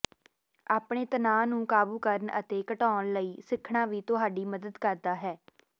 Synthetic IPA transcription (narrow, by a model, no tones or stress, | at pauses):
aːpɳ̃eːt̪ənaːnũːkaːbuːkəɾnə̰t̪eːkəʈaːnləiːsɪkʰːɳãːʋiːt̪ʊɦaːɖiːməd̪əd̪kəɾd̪aːɦɛː